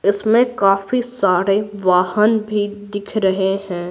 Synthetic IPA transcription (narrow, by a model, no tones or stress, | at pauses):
ɪsmẽkaːfisaːɾeʋaːhənbʱid̪ɪkʰɾɐɦeɦɛ̃ː